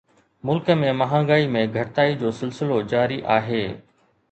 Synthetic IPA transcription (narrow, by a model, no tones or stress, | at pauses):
mʊlkəmẽmɐɦãːɡaːimẽɡʱɐʈt̪aːid͡ʑoːsɪlsɪlod͡ʑaːɾiʔaːɦeː